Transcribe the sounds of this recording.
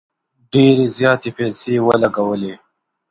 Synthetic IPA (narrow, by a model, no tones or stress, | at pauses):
ɖeːɾizjɑːt̪epɛːsewəlɐɡawəle